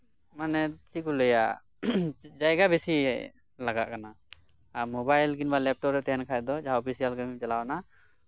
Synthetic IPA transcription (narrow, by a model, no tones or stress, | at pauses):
manɛt͡ʃikuləja̰ | d͡ʒajɡabɛsḭ | laɡa̰ʔkana | amɔbajlɡinbalɛp̚ʈɔpɾɛt̪ɛɦɛnkʰajd̪ɔd͡ʒaɦaɔpʰisijalɡəmit͡ʃalawna